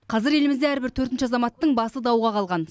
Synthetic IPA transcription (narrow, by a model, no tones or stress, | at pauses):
qʰɑzɪɾe̞lɪmɪzd̪eæɾbɪɾt̪ʰɵɾt̪ɪnʃɪɑzɑmɑt̪ːəɴbɑsəd̪ɑwʁɑqʰɑlˠʁɑn